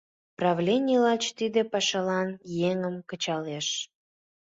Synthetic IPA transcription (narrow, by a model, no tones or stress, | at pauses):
prɑvlʲenʲilɑt͡ɕt̪id̪epɑʃɑlɑnjeŋəmkət͡ɕɑleʃ